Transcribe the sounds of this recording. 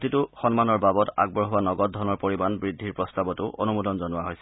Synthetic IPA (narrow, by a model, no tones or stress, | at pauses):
titʊxɔnmanɔɹbabɔta̰ɡ̚bɔɹɦʊwanɔɡɔt̚dʱɔnɔɹpoɹimanbɹidʱːiɹpɹɔstabɔtʊʔo̰numudɔnzɔnʊaɦojsɛ